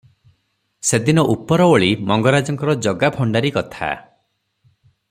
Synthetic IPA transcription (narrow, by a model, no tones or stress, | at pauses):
sed̪inɔʔupɔɾɔoɭimɔŋɡɔɾad͡ʒɔŋkɔɾɔd͡ʒɔɡabʰʱɔɳɖaɾikɔt̪ʰa̰